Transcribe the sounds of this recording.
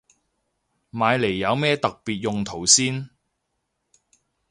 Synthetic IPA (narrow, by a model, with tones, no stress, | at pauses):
maː˨˧jle˨˩jːɐ˨˧wmɛː˥t̪ɐ˨k̚piː˨t̚jʊ˨ŋt̪ʰo˨˩wsiː˥n